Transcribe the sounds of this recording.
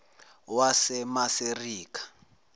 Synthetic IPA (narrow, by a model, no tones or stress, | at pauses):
wasɛmaseriːkḁ